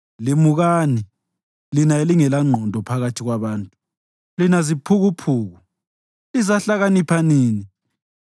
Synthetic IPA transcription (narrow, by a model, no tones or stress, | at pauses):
limuɣaːni | linaeliŋɛlaŋ͡ǀʱɔndʱɔpʰaɣatʰiɣwaβaːntʼu | linazipʰuɣupʰuːɣu | izaɬaɣanipʰaniːni